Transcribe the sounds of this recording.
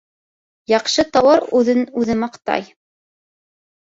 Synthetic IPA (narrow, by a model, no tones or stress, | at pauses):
jɑqʃɤt̪ɑwɑɾʉðɘnʉðɘmɑqt̪ɑ̰j